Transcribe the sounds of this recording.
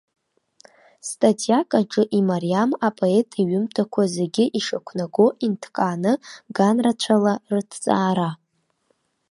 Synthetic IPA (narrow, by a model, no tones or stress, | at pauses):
stʼatʰʼijakʼaʈ͡ʂʼɨʔimariamapʼoetʰʼiɥʏmtʰakʷʰazeɡʲɪʔiʂakʷʰnaɡo̞ʔintʰkʼaːnɨɡanrat͡ɕʷʰalartʰt͡sʼaːɾa